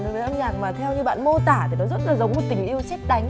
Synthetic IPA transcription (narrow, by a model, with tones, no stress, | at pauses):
n˨˦və˨˦ʔə˧mɲaː˨˩ŋ̚maː˨˩t̪ʰɛ˧wɲɨ˧ɓa̰ː˧˨nmo˧t̪aː˧˩t̪ʰi˨˩nɔ˨˦zə˦˥t̚laː˨˩zə˨˦wŋ͡mmo˨˩t̚t̪ï˨˩ŋ̟ʔi˧əwsɛ˦˥t̚ɗa˨˦jŋ̟